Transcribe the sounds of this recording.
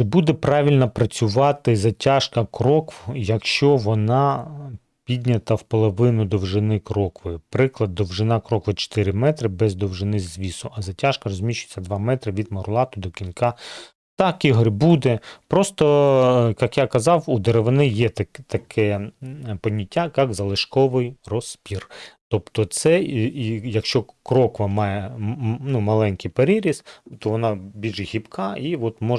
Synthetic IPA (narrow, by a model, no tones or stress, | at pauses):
t͡ʃɛbud̪ɛpɾɑʋʲilʲnɐpɾɐt͡sʲʊʋɑt̪ɪzɐtʲaʃkɐkɾɔkwjɐkʃt͡ʃɔʋɔnɑ | pʲidʲnʲɐt̪ɐwpɔlˠɔʋɪnʊd̪ɔwʒɪnɪkɾɔkʋɪpɾɪklˠɐd̪ːɔwʒɪnɑkɾɔkʋɪt͡ʃɔ̥t̪ɪɾʲɪmɛt̪ɾɪbɛzd̪ɔwʒɪnɪzʋʲisʊʔɐzɐtʲaʃkɐrɔzʲmʲiʃt͡ʃʊjet͡sʲːɐd̪ʋɑmɛt̪ɾɪʋʲid̪mɔɾʊlˠɑt̪ʊd̪ɔkʲinkɑ | t̪ɑkiɦɔɾʲbud̪ɛpɾɔst̪ɔjɐkjakɐzɑwud̪eɾeʋɪnɪjɛt̪ɐt̪ɐkʰɛ | pɔnʲitʲːakɑkzɐlˠɪʃkɔʋɪjrɔspʲirt̪ɔpt̪ɔt̪sɛiijɐkʃt͡ʃɔkɾɔkʊʋɐmɑjɛnumɐlˠɛnʲkijpeɾʲiɾʲist̪ɔʋɔnɑbʲilʲʒhʲipkʰɑiʋɔt̪mɔ